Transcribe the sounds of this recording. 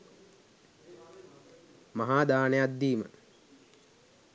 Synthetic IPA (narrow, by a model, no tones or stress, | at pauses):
maɦaːd̪aːnejat̪̚d̪iːmə̰